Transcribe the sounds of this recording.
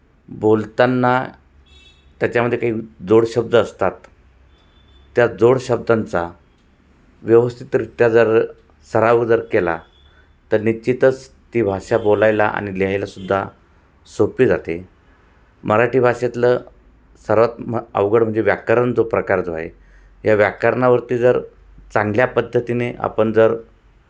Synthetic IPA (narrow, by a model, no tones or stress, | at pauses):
bolt̪anːa | t̪jat͡ɕaməd̪ʱjekaɦiːd͡zoɽɕəb̚d̪ʱəːst̪at̪ | jad͡zoɽɕəb̚d̪ant͡sa | ʋjəʋəst̪ʰit̪ɾit̪jad͡zəɾ | səɾaʋəd͡zəɾkela̰ | t̪əɾnit͡ɕit̪ət͡s | t̪iːbʱaʂabolajlaʔa̰ɽ̃ileɦajlasud̪ʱːa | sopiːd͡zat̪e | mʔəɾaʈiːbʱaʂet̪lə | səɾʋat̪ə̰ʋɡəɽm̤əɳd͡zeʋjakəɾənd͡zopɾəkaɾd͡zʱoa̰e | jaʋjakəɾɳaʋəɾt̪iːd͡zəɾ | t͡sãŋɡljapəd̪ʱːət̪ineʔa̰pəɳd͡zəɾ